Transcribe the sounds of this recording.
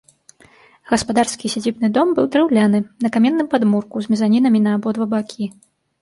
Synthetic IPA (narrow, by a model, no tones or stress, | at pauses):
ɣɐspad̪arskʲisʲad͡zʲibnɨd̪ɔmbɨwd̪ɾɛwlʲanɨnɐkamʲɛnːɨmpad̪murkuzʲmʲɛzanʲinɐmʲinɐːbɔd̪vɐbakʲʰi